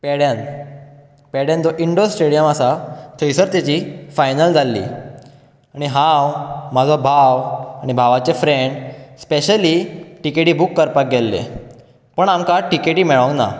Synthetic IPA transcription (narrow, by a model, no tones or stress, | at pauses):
pɛɽjan | pɛɽjãnd͡zɔʔiɳɖossʈeɽijəmasat̪ʰəjsəɾt̪jat͡ɕifajnəld͡zʱalːḭ | aɽ̃iɦãwmad͡zʱabʱawaɽ̃ibʱaʋat͡ɕefɾeɳɖspeɕəliʈikeʈiːbukːəɾpak̚ɡɛlːḛ | pəɳamkaʈikeʈiːmɛɭə̃ŋna̰